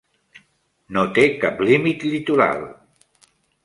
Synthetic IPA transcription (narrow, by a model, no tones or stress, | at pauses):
not̪ekaplimit̪lit̪uɾa̰lˠ